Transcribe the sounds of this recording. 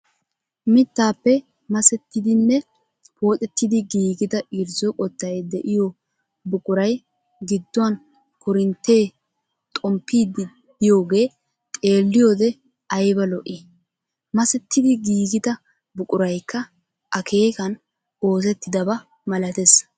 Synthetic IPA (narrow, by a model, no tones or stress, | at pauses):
mɪt̪ːaːpːɛ | mɐsɛt̪ːɪd̪ɪnːɛ | pʰo̞ːt̪ʼɛt̪ːɪd̪ɪɡiːɡɪd̪ɐʔiɾzɔkʼɔt̪ːɐjd̪ɛʔɪjo | bʊkʼʊɾɐj | ɡɪd̪ːʊwɐn | kʊɾɪnt̪ːe̞ː | t̪ʼɔmpːiːd̪ɪ | dɪjo̞ːɡe̞ː | t̪ʼe̞ːlːɪjoːd̪ɛ | ɐjbɐlɔʔɪ | mɐsɛt̪ːɪd̪ɪɡiːɡɪd̪ɐ | bʊkʼʊɾɐjkːɐ | ʔɐkʰe̞ːkɐn | o̞ːs̬ɛt̪ːɪd̪ɐbɐ | mɐlɐt̪es